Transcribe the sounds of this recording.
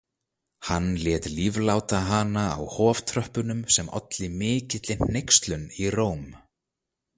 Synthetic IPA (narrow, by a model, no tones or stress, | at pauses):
hanːljɛːt̪livlaːwt̪aɦaːnaːwhɔːv̥t̪ʰɾœhpʏnʏmsɛmɔ̰t̪lɪmɪːcɪt̪lɪn̥ejkst̪lʏniroːwm